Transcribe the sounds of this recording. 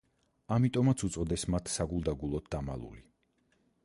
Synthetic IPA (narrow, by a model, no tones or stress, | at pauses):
amit̪ʼɔmat̪sʰut̪sʼɔd̪ɛsmat̪ʰsaɡulˠd̪aɡulˠɔt̪̚d̪ama̰lˠṵli